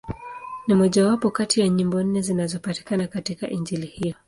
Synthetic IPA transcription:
nimɔʄawapɔkatijaɲimbɔn̩nɛzinazɔpati̥kanakatika̰ʔiɲd͡ʒilihijɔ

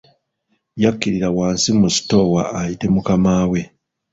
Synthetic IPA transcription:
jakːiɾiɾawaːnsimusi̥to̞waːjite̞mukamaːwe̞

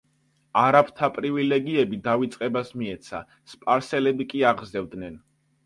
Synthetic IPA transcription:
aɾapʰt̪ʰapʼɾivilɛɡiɛbid̪avit̪sʼqʼɛbasmiɛt̪sʰa̰ | spʼaɾsɛlɛbikʼiaʁzɛvd̪nɛn

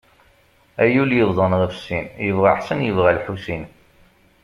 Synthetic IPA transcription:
æjuljəððˤənðˤæfsːinjəvʁaħsænjəvʁælħusin

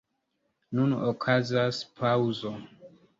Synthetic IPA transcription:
nunokʰazaspʰawzo

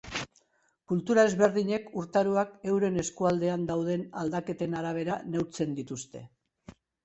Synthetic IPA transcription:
kult̪uɾae̞zβe̞ɾðiɲe̞kuɾt̪aɾuake̞wɾe̞ne̞skuald̪e̞and̪awð̞e̞na̰ld̪ake̞t̪e̞naɾaβ̞e̞ɾane̞wɾt͡se̞nd̪it̪ust̪e̞

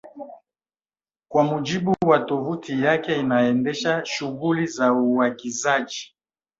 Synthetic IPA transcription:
kwamud͡ʒiɓuwatɔvutijakɛinaɛndɛʃaʃuɣulizauwakizad͡ʒi

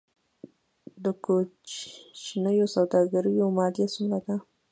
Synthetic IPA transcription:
d̪əkot͡ʃt͡ʃnajosawd̪ɑɡaɾujawmɑd̪jasumlad̪a

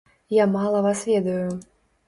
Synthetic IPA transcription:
jamalˠɐvasvʲɛd̪ɐju

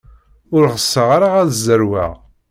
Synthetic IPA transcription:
ʊɾʁəsːəʁaɾaʁæðzːəɾwæ̰ʁ

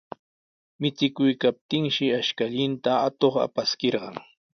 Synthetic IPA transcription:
mɪt͡sɪkʊjkap̚t̪ɪŋʃɪaʃkaʎɪnt̪aat̪oχa̰paskeɾɢɑŋ

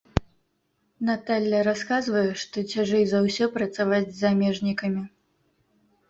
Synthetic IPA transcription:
nat̪alʲːɐɾaskazvɐjɛʂt̪ɔt͡sʲaʐɛjzawsʲɔpɾɐt̪savad͡zʲzamʲɛʐnʲikɐmʲi

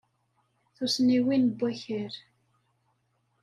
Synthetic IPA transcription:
θusniwinbːæçəɾ

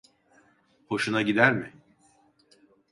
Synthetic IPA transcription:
ho̞ʃunaɟid̪æɾmɪ

